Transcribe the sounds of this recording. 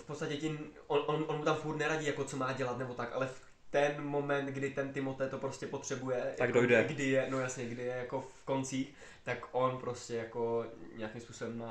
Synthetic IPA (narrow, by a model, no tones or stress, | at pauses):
fpot̪st̪acɛcɪm | onʔonʔonmut̪amfuɾt̪nɛɾaɟiːjako̞t͡so̞maːɟɛlat̪nɛbo̞t̪akʔa̰lɛf | t̪ɛnmo̞mɛnt̪ɡdɪt̪ɛnt̪ɪmot̪ɛt̪o̞pɾo̞scʲɛpo̞t̪r̝̥ɛbujɛaɡdojdɛɡdɪjɛno̞jasɲɛɡdɪjɛjako̞fko̞nt͡siːx | t̪akʔo̞npɾo̞scɛjako̞ɲɛjakimspuːso̞bɛmna